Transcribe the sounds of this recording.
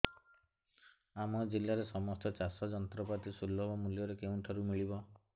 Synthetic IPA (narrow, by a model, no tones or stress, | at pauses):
amɔd͡ʒilːaɾesɔmɔst̪ɔt͡ʃasɔd͡ʒɔnt̪ɾɔpat̪isulːɔbɔmuljɔɾekeũʈʰaɾumiɭibɔ